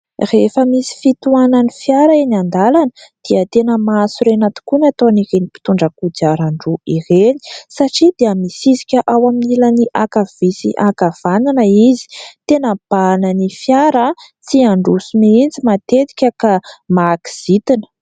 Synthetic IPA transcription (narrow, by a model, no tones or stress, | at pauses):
refəmisi̥fit̪uananifjaɾaenand̪alanəd̪̥iət̪enəmasuɾenat̪i̥kunat̪oniɾenipi̥t̪uɳɖ͡ʐəkud͡ʒaɾaɳɖ͡ʐuireni̥saʈ͡ʂid̪eəmisizikʲəʔawaminiləniʔakav̥isḭʔakav̥ananəizi̥t̪enəb̥ananifjaɾə | t͡siaɳɖ͡ʐusumiind͡zimat̪et̪i̥kʲəkamaki̥z̥it̪inə̥